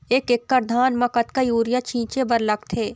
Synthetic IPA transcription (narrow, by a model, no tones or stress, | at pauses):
eːkɪkːəɾd̪ʱaːnmɐkət̪kajuːɾjat͡ʃʰĩːt͡ʃebɐɾlɐkt̪ʰeː